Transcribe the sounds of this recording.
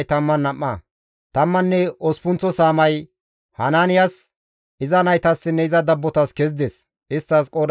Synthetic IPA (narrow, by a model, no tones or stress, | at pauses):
jt̪ɐmːɐnːɐmːɐ̰ | t̪ɐmːɐnːɛɔspʊnt͡sːɔsaːmɐj | hɐnaːnɪjas | ɪzɐnɐjt̪ɐsːɪnːɛɪzɐd̪ɐbːɔt̪ɐskɛz̬d̪ɛs | ʔɪst̪ːɐskʼɔd̪